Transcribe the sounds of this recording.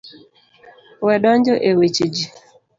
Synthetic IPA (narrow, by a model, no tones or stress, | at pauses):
wɛɗɔɲd͡ʒoʔewet͡ʃid͡ʒi